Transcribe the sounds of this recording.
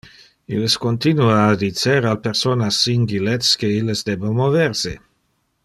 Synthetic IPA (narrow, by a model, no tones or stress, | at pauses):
ileskont̪inuaːd̪it͡seɾalpeɾsonasːiŋɡiletskeilːesd̪ebomovɛɾse